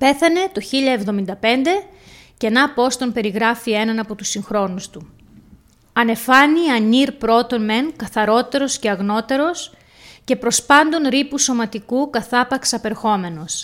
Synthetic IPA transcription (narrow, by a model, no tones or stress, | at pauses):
pe̞θɐne̞t̪o̞çiʎɐe̞vðo̞mind̪ɐpe̞nd̪e̞ | ce̞nɐpo̞st̪o̞npe̞ɾiɣɾɐfie̞nɐnɐpo̞t̪usiŋxɾo̞nust̪u | ɐne̞fɐniɐniɾpɾo̞t̪o̞nme̞nkɐθɐɾo̞t̪e̞ɾo̞sce̞ɐɣno̞t̪e̞ɾo̞s | ce̞pɾo̞spɐnd̪o̞nɾipuso̞mɐt̪ikukɐθɐpɐksɐpe̞ɾxo̞me̞no̞s